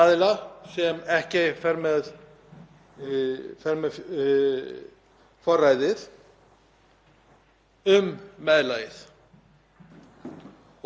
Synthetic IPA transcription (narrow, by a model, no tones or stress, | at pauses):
aðlasɛmɛhcɪfɛɾmɛð | fɛɾmɛð | fɔrːajðɪθ | ʏmːɛðlaːjɪθ